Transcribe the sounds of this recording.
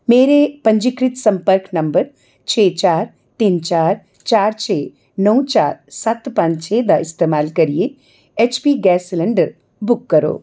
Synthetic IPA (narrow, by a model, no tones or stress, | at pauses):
meːɾepɐ̃ɲd͡ʒɪkɾɪt̪sɐ̃mpəɾknɐmbəɾ | t͡ʃʰeːt͡ʃaːɾ | t̪iːnt͡ʃaːɾ | t͡ʃaːɾt͡ʃʰeː | nəũt͡ʃaːɾsat̪pãɲt͡ʃʰeːd̪aɪst̪eːmaːlkɐɾije | eːt͡ʃpiːɡɛːsləɳɖəɾ | bʊkːɐɾo̰ː